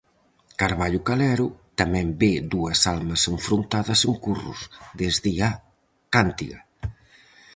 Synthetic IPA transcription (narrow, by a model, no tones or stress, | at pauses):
kaɾβaʎʊkalɛɾʊt̪amɛ̃mbeðuɐsalmɐseɱfɾunt̪aðɐseŋkurṵsðezðia | kant̪ḭɣɐ